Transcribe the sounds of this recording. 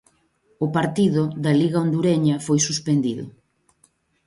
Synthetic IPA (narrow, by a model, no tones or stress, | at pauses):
ʊpaɾt̪iðʊðɐliɣaond̪uɾeɲɐfojsuspend̪iðʊ̰